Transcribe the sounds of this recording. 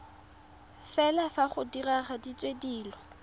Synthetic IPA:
fɛlafaχʊdiraχadit͡sʼwediːlɔ

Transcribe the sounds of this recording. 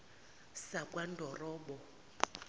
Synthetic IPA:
sakwan̩dʱɔrɔːɓɔ

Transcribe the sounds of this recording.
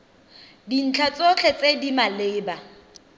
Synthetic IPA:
din̩t͡ɬʰat͡sʼot͡ɬʰet͡sʼedimaleːba

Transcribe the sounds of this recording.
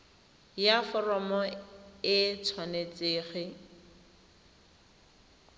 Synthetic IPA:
jafɔrɔmɔɪt͡sʰwanet͡seːχɪ

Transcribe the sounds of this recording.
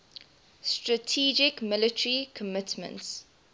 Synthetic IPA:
stɹətʰiːd͡ʒɪkmɪlɪtʰəɹikʰəmɪtmə̰̃nts

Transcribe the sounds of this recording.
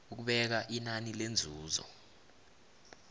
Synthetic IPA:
uk̬uɓɛk̬aʔinanilend͡zʱuːzɔ̰

